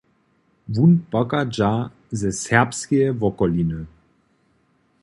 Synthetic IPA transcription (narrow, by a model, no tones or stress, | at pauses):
vunpɔkad͡ʒa | zɛsɛʁpskejəvɔkɔlinə